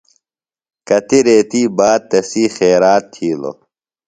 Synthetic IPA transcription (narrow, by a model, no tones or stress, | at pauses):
kɐt̪iɾeːt̪iːbaːd̪̚t̪ɐsiːxeːɾaːt̪ʰːiːlo̰